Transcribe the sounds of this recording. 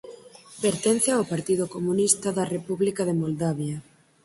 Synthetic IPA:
beɾt̪ɛn̟θaopaɾt̪iðʊkomunist̪ɐðɐrepuβlikaðemold̪aβjɐ

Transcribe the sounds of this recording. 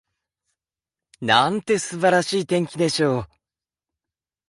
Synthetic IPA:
nãnt̪e̞sɨbaɾaɕiːt̪ẽ̞ŋkʲid̪e̞ɕo̞ː

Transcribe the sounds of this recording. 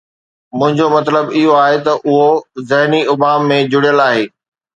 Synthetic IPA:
mʊ̃ɦɪ̃ɲd͡ʑomɐt̪ləbɪɦoaːɦet̪ɐʔʊɦozɐɦniʊbaːmːẽd͡ʑʊɽijəlaːɦeː

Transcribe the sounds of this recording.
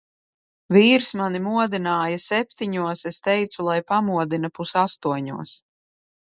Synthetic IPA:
viːɾsmanimuɔd̪inaːjasɛp̚ʲt̪iɲuɔsest̪ɛjt̪sulˠajpamuɔd̪inɐpusast̪uɔɲṵɔs

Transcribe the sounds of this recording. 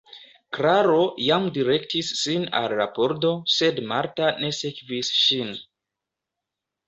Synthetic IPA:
kɾaɾo̞jamdiɾe̞k̚tisːina̰lɾa̰po̞ɾto̞se̞dmaɾtane̞sekvisʃin

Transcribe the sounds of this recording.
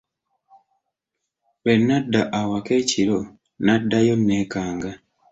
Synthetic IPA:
βenːadːaʔawakeciɾo | nadːajonːekaːŋɡa

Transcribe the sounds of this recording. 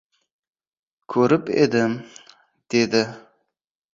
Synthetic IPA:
kʲʰɵɾɪpḛd̪ɪm | d̪̥e̞d̪ɪ

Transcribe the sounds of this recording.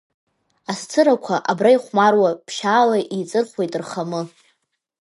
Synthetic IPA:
ast͡sʰɨɾakʷʰaʔabraiχʷmarwapʰʃaːlaʔit͡sʼɨrχʷwe̞jtʼɨrχamɨ

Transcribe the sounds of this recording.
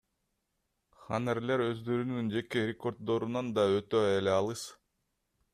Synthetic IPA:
χanerle̞ɾø̞zd̪ø̞ɾynynd͡ʒe̞ke̞ɾʲeko̞rd̪̚d̪o̞ɾunɑnd̪ɑøt̪øjeleɑlˠɯs

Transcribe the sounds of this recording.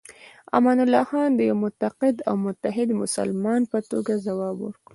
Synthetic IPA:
a̰mɑnʊlːɑxɑnd̪əjawmʊt̪aqɪd̪a̰wmʊt̪aɦɪd̪mʊsa̰lmɑnpət̪oɡazawɑbwə̰ɾku

